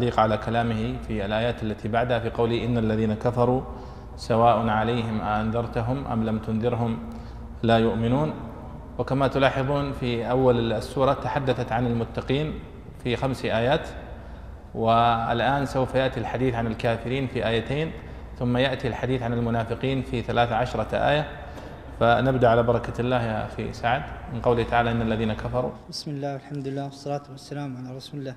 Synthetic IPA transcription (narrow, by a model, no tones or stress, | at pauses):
liːqʕalakalaːmɪhɪfialʔaːjaːt̪alːat̪ibaʕd̪hafiqɑwlɪhʔɪnːalːaðiːnakafɑɾˤu | sawaːʔʊnʕalajɦɪmʔaʔanðˤɑɾˤt̪ʊɦʊmʔa̰mlamt̪ʊnðɪɾɦʊm | laːjʊʔmɪnuːn | wɪkamat̪ʊlɑːħɨðˤuːnfiʔawːalsːuːɾˤɑt̪aħad̪ːaθat̪ʕanɪlmʊt̪ːɑqiːn | fixamsʔaːjaːt̪ | wɪɪ̰lʔaːnsawfajaʔt̪ilħad̪iːθʕanɪlkaːfɪɾiːnfiʔaːjat̪eːn | θʊmːajaʔt̪ilħad̪iːθʕanɪlmʊnaːfɪqiːnfiθalaːθaʕaʃɾˤɑʔa̰ːja | fanabd̪aʔʕalaːbɑɾˤɑkalːaːhfḭsaʕd̪mɪnqɑwlɪt̪aʕaːlaʔɪnːalːaðiːnakafɑɾˤṵbɪsmɪlːaːwalħamd̪ʊɪlːaːwɑsˤːɑlɑːt̪wasːalaːmʕalaːrˤɑsuːlɪlːaː